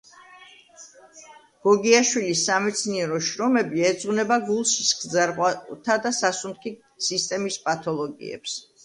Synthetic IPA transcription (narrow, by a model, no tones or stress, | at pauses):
ɡ̥ɔɡiaʃwilisːamɛt̪sʰniɛɾɔʃɾɔmɛbiɛd̪zʁunɛbaɡulˠʃisɡ̪zaɾʁwat̪ʰad̪asasunkʰi | sist̪ʼɛmispʼat̪ʰɔlˠɔɡḭɛ̰ps